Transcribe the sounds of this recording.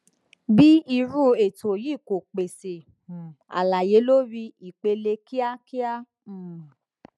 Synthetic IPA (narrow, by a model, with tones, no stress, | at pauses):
bi˦i˧ɾu˦˨e˨to˨ji˦˨ko˨k͡pe˨se˨ | a̰˨la˨je˨˦lo˦ɾi˧i˨k͡pe˧le˧ki˦a˦ki˦a˦˨